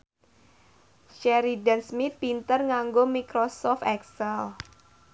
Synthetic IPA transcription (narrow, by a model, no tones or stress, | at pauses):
ʃɛɾidansmit̪̚pint̪ərŋaŋɡomikɾosɔft̪ɛksɛl